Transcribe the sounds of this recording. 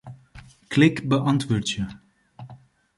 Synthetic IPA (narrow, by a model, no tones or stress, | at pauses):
klɪkbəʔɑntʋoːɹtjə